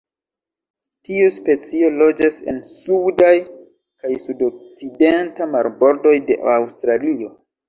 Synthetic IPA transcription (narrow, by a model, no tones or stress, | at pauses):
tiuspe̞t͡sio̞lo̞d͡ʒase̞̰nsudaj | kajsudok̚t͡sidentamaɾbo̞ɾdo̞jde̞̰ʔawstɾalio̞